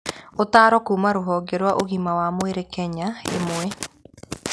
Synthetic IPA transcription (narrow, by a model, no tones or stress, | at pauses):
otaːɾɔkuːmaɾoɦɔɡɛɾwaʔoɣimawamweɾekɛɲaḛmoɛ